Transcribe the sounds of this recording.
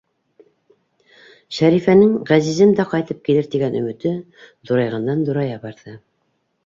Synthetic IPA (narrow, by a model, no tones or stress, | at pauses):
ʃæɾifænɘŋʁæzizɘnd̪æqɑjt̪ɤp̚kilɘɾt̪iɡænɵ̆mɘ̆t̪ɘ | ðuɾɑjʁɑnd̪ɑnðuɾɑjɑβɑɾðɤ